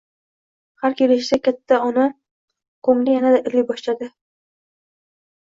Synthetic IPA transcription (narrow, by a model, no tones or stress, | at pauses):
haɾkʲʰelɪʃ̬sakʲʰat̪ʰːaʊnɪ | qʰomlɪjanad̪aʔɪɾlɪjbɒʃlad̪ɪ